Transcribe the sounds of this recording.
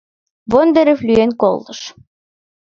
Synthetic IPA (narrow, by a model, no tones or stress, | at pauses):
βond̪eɾĕflʲyenko̰lˠt̪ɤ̆ʃ